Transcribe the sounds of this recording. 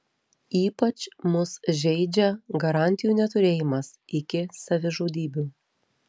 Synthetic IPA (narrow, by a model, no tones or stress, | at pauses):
iːpɐt͡ʃmʊsʒʲɛɪd͡ʒʲɛɡɐɾɑˑnʲt̪ʲɪjuːnʲɛt̪ʊɾʲeːjɪmɐsɪkʲɪsɐʋʲɪʒoːd̪ʲiːbʲu